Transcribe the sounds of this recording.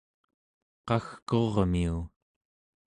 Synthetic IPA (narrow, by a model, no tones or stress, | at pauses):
qɑxko̞ʁmiu